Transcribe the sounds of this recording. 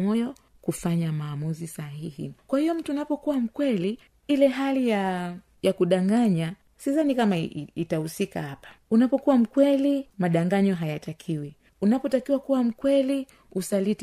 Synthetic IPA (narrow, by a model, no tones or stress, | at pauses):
ɔjɔ | kufaɲamaːmuzisahihḭkwahijɔm̩tuːnapɔkuwam̩kwɛli | ilɛɦalija | jakuɗaŋɡaɲa | sizanikamaitahusikahapḁunapɔkuwam̩kwɛlimaɗaŋɡaɲɔɦajatakʰiwi | unapɔtakiwakuwam̩kwɛli | usalit